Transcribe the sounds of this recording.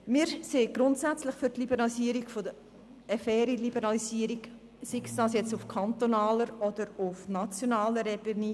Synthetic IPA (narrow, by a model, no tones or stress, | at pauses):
mɪːɾseːɡ̥ɾʊntsæt͡slɪχfʏɾtlibəɾɑlisiːəɾikfod̪ə | ɛfɛːɾilibəɾɑlisiəɾik | siksd̥ɑːsjɛt͡sufkʰɑnt̪onɑːləɾɔd̪əɾʊfnɑt͡sjonɑːləɾɛbəniː